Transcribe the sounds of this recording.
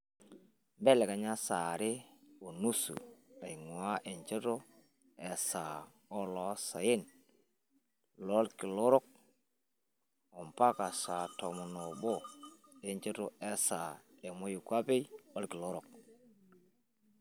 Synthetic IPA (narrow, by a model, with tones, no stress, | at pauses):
be˦le˨ka˨ɲa˦sa˨ɾe˦o˨nu˦sṵ˨a˨i˨ŋwa˦ʔe˨ɲt͡ʃe˦to˦ | e˨sa˨ | o˦lo˦sa̰˨ji˦n | lo˦lki˨lo˦ɾo˦k̚ | o˨mpa˦ka˨sa˨to˨mo˨no˨bo˦˨e˨ɲt͡ʃe˦to˦e˦sa˨e˨mo˦ju˨kʷa˦pe˦jo˦lki˨lo˦ɾo˨k̚